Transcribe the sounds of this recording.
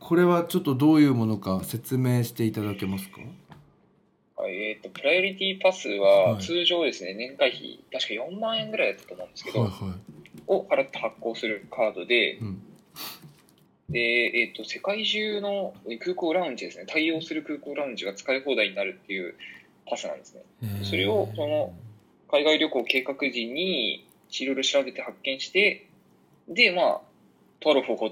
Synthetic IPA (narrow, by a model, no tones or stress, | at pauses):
kʰo̞ɾe̞βat͡ɕo̞t̪ːo̞d̪o̞ːjɯ̟ːmo̞no̞kase̞t͡sɨme̞ːɕi̥t̪e̞it̪ad̪ake̞masɨ̥ka̰ | ha̰iet̪ːo̞pɯ̟ɾajo̞ɾʲit̪ʲipasɨβat͡sɨːʑo̞ːd̪e̞sɨne̞nẽ̞ŋkaiçḭt̪aɕi̥kajõ̞mːãɰ̃ẽ̞ŋɡɯɾaijd̪at̪ːḁtomõːnd̪eɨ̥kedohaiohaɾat̪ːe̥hakːo̞ːsɨɾɯ̟kʰaːd̪o̞d̪e̞ɯ̟̃ɴ | d̪̥e̞ːt̪ːo̞se̞kaiʑɨːno̞ekɯːko̞ːɾaɯ̟̃ɲd͡ʑid̪e̞sɨne̞t̪aio̞ːsɨɾɯ̟kɯ̟ːko̞ːɾãɯ̟̃ɲ̟d͡ʑiɡat͡sɨ̥kaiɦo̞ːd̪aiɲ̟inaɾɯ̟t̪ːe̞jɯ̟ː | t̪asɨnã̰nd̪e̞sɨne̞̰d̪̥eso̞ɾe̞o̞so̞no̞ | kaiɡaiɾʲo̞kɯːke̞ːkakɯ̟ʑĩɲ̟ːi | iɾo̞iɾo̞ɕiɾabe̞t̪e̞hakːẽ̞ɰ̃ɕi̥t̪e̞ | d̪e̞ma̰ | t̪oaɾoɸɯhoː